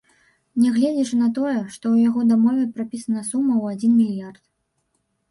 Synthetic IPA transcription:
nʲɛɣlʲɛd͡zʲiʂɨnɐt̪̬ɔjɛʂt̪ɔwjaɣɔd̪amɔvʲɛpɾapʲisɐnɐsumːɐwad͡zʲinmʲilʲijart̪̚

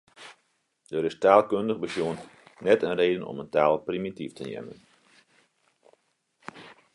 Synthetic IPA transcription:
dəɾɪstaːlˠkøndəχbəsjoənnɛtənreːdənɔ̰məntaːlˠprimitiftənjɛ̰mə̰n

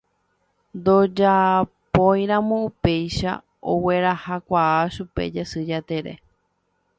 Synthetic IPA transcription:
nd̪o̞d͡ʒapojɾãmõ̞upe̞jʃa̰ | o̰we̞ɾahakʷaaʃupe̞̰d͡ʒesɨd͡ʒat̪e̞ɾe̞̰

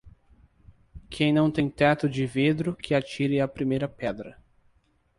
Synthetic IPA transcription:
kʰẽj̃nɐ̃w̃t̪ẽj̃t̪ɛt̪ʊd͡ʒɪved̪ɾʊkʰɪat͡ʃiɾɪapɾimejɾɐpɛd̪ɾɐ

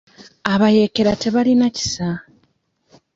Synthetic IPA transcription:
aβaje̞ke̞ɾate̞βalinaci̥sa

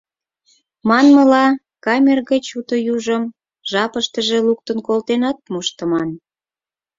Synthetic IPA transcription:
mɑnməlɑ | kɑmʲerɣət͡ɕut̪ə̆juʒəm | ʒɑpəʃt̪əʒeluk̚t̪ənkolt̪enɑt̪̚muʃt̪ə̆mɑn

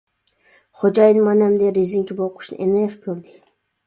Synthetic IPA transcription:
χod͡ʒɑjnmɑnɛmd̪eɾiziŋkʲiboqʰʊ̥ʃnɨ̰ʔenejqkʲʰøɾd̪ɪ

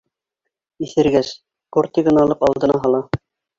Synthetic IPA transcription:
iθɘ̆ɾɡæs | koɾt̪iɣɤ̆nɑlˠɤpɑlˠd̪ɤ̆nɑɦɑlˠɑ

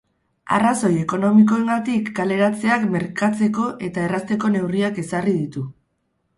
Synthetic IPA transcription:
a̰raso̞je̞ko̞no̞miko̞e̞ŋɡat̪ikːale̞ɾat͡se̞akme̞ɾkat͡se̞ko̞ʔe̞t̪ae̞rast̪e̞ko̞ne̞wriake̞sarið̞it̪u

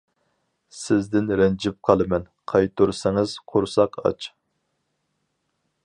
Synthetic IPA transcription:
sɪzd̪ɪnɾɛnd͡ʒɪp̚qʰɑlˠɨmɛnqʰɑjt̪uɾsɪŋɨz̥qʰoɾsɑqɑ̰t͡ʃʰ

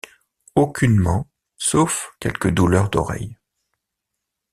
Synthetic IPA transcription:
okʲynmɑ̃ | sofkʲɛlkəd̪ulœʁd̪ɔ̰ʁɛ̰j

